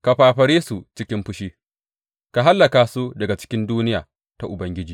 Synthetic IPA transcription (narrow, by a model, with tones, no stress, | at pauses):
ka˨ɸaː˨ɸɐ˨ɽeː˦su˨t͡ʃɪ˦kʲɪ˦mɸʊ˦ʃiː˦ | ka˨ɦa˦lːɐ˨kaː˨su˦dɐ˨ɡa˨t͡ʃɪ̥˦kʲɪ˦nduː˦nɪ˦jaː˨ | ta˦ʔʊ˨bɐ˦ŋɡʲɪ˦d͡ʒiː˨